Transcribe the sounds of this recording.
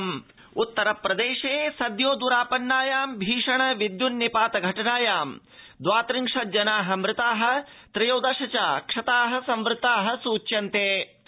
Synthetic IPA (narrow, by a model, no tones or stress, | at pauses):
m | ut̪ːɐɾɐpɾɐd̪eːʃeːsɐd̪joːd̪uɾaːpɐnːaːjaːmbʱiːʂɐɳɐʋid̪junːipaːt̪ɐɡʱɐʈɐnaːjaːm | d̪ʋaːt̪ɾiŋʂɐd͡ʒɐnaːɦɐ̆mɾɪt̪aːɦɐ̆ | t̪ɾɐjoːd̪ɐʃɐt͡ʃaːkʂɐt̪aːɦɐ̆sɐmʋɾɪt̪aːɦɐ̆suːt͡ʃːjɐnt̪eː